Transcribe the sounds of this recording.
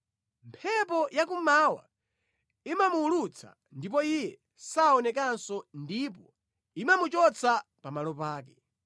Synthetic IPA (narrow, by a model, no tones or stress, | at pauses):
mpʰɛpɔjak̬umawa̰ | imamuːlut͡sʰa̰ | ndip̬ɔijɛ | saɔnɛkansɔndip̬ɔ | imamut͡ʃɔt͡sʰapamalɔpaːkɛ